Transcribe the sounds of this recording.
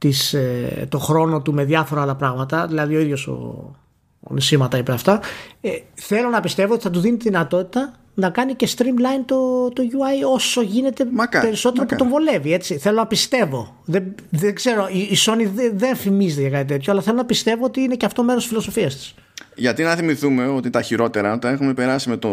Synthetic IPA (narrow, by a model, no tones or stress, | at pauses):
t̪iset̪o̞xɾo̞no̞t̪ume̞ðʝɐfo̞ɾɐlɐpɾɐɣmɐt̪ɐðilɐðio̞iðʝo̞so̰ | nisimɐt̪ɐipeɐft̪ɐeθe̞lo̞nɐpist̪e̞voot̪iθɐt̪̬uðinit̪iðinɐt̪o̞t̪it̪ɐ | nɐkɐnice̞st̪ɾimlɐjnt̪o̞t̪o̞ʝuɐjo̞so̞ʝine̞t̪e̞mɐkpe̞ɾiso̞t̪e̞ɾoput̪o̞ɱvo̞le̞vie̞t͡siθelo̞nɐpist̪e̞vo̞ | ðeðeɡze̞ɾo̞iːso̞niðeðe̞nfimizet̪eʝɐkɐt̪it̪et̪çoɐlɐθe̞lonɐpist̪e̞vo̞ot̪iineceɐft̪ome̞ɾosi̥sfilo̞so̞fiɐst̪i̥s | ʝɐt̪inɐθimiθume̞ot̪int̪ɐçiɾo̞t̪e̞ɾɐot̪ɐne̞xume̞pe̞ɾɐsime̞t̪o